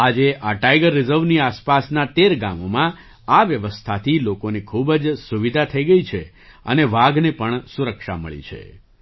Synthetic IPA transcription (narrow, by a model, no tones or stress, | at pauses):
ad͡ʒeʔaʈajɡəɾːɪzəɾʋniaspasnat̪eɾɡa̰momã | aʋjəʋəst̪ʰat̪ʰilokonekʰubd͡ʒsuʋid̪ʱat̪ʰəiɡəit͡ʃʰe | ə̰neʋaɡnepəɳsuɾəkʃa̰mə̰ɭḭt͡ʃʰḛ